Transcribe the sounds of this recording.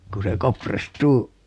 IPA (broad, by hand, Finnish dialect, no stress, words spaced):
ku se kopristuː